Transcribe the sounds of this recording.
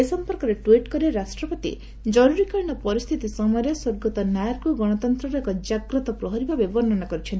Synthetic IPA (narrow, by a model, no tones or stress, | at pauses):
esɔmpɔɾkɔɾeʈwiʈkɔɾieɾasʈɾɔpɔt̪ḭ | d͡ʒɔɾuɾikaɳɔpɔɾist̪ʰit̪isɔmɔɾjɔswoɾɡɔt̪ɔnjajaɾkuɡɔɽ̃ɔt̪ɔnt̪ɾɔɾɔekɔd͡ʒaɡɾɔt̪ɔpɾɔɦɔɾibabebɔɾnɔnakɔɾit͡ʃʰent̪